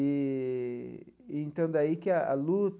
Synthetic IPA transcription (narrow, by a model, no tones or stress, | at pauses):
i | ẽnt̪ɐ̃d̪aikɪaʔa̰lut̪